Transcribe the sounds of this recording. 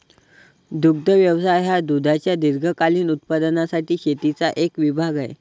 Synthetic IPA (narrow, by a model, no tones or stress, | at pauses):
d̪uɡ̚d̪ʱəʋjəʋsajɦad̪ud̪ʱat͡ɕjad̪iɾɡʱəkaliːnut̪̚pad̪nasaʈiːɕet̪it͡saʔekʋibʱaɡajḛ